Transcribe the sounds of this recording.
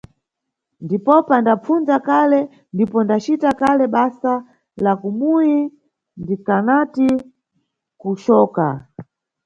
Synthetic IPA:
ndipɔpandap͡fund͡zakalɛ | ndipɔndat͡ʃitakalɛɓasa | lakumuji | ndikanati | kut͡ʃɔːka̰

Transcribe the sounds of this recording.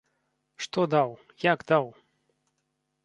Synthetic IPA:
ʂt̪ɔd̪aw | jaɡd̪aw

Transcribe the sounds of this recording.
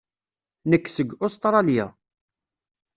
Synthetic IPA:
nəkːsəɡost̪ɾˤɑlja̰

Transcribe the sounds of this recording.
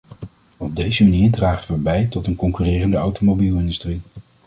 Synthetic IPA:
ɔb̚dejzəmaniːɹdraːχəʋəbɛjtɔtənkɔŋkyːrɪːrəndəawtomowbilˠɪndystri

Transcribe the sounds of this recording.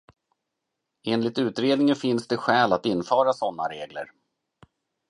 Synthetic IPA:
eːnlɪt̪ʉ̟ːt̪ɾeːd̪nɪŋənfɪnsd̪ɛɧɛːlat̪ɪnːfœːɾasɔnːa̰ɾeːɡlə̰ɾ

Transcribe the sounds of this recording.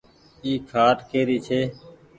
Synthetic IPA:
iːkʰaːʈkeːɾiːt͡ʃʰeː

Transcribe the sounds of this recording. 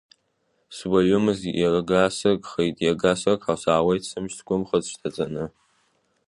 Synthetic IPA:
swaɥʊmɨziʔjaraɡasɨkʼχejtʼjaɡasɨrkʼħawsaːwejtʰsɨmʃtʰɡʷʊmχəzʃtʰat͡sʼanɨ

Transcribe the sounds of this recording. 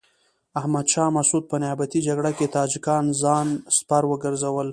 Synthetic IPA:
ahmad̪ʃɑmasud̪̚pənjɑbat̪id͡ʒaɡɽaket̪ɑd͡ʒɪkɑnzɑnspaɾwəɡəɾzawəl

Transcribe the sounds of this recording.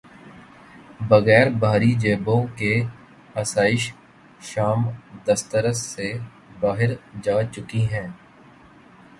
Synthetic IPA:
bɐɣɛːɾbaːɾid͡ʒeːbõke | ɐsaːɪʃ | ʃaːmd̪ɐst̪əɾəsːe | baːɦɪɾd͡ʒaːt͡ʃʊkiɦɛ̃ː

